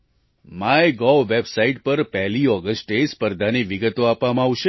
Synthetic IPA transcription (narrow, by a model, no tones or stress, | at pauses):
maeɡɔʋebsaiʈ̚pəɾpɛɦliɔɡəsʈespəɾd̪ʱaniʋiɡət̪oapʋamãaʋʃe